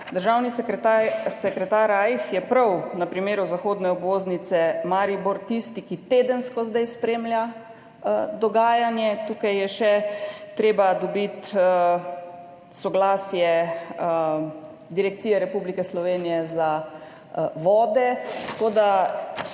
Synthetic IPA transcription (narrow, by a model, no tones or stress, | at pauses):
d̪əɾʒawnisasɛkɾɛt̪aːɾajxjɛpɾɐwnɐpɾimeːɾuzaxoːd̪nɛɔbʋoːznit̪sɛmaːɾiboɾt̪ist̪ikit̪eːd̪ənskɔzd̪ajspɾeːmlʲja | d̪ɔɡaːjanjɛt̪uːkajːjɛʃɛt̪ɾeːbad̪ɔbit̪ə | sɔɡlaːsjɛ | d̪iɾɛk̚t̪sijɛɾɛpublikɛslɔʋeːnijɛza | ʋɔːd̪ɛt̪koːd̪a